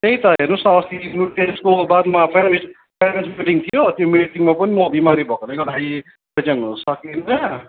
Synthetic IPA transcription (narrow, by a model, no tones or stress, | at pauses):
t̪eĩt̪ʌɦernusʌst̪inuʈt̪eskobad̪mapʰeɾmis | pʰeɾmensmiiʈiŋt̪ʰijot̪jomiiʈiŋmapʌnimʌbimaɾibʱʌkolajɡʌɽaj | bʌd͡zʌŋɦunsʌkinʌ